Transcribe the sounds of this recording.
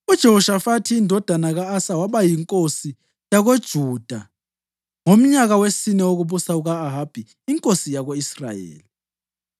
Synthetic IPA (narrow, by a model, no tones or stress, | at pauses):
ud̥ʒ̥ʱeɦuʃafatʰiːndʱɔd̥ʱanaɣaːsawaβajiŋkʼosi | jaɣod̥ʒ̥ʱuːd̥ʱa | ŋom̩ɲaɣawesinɛoɣuβusauɣaːɦab̥ʱiːŋkʼosijaɣoisra̰jḛːli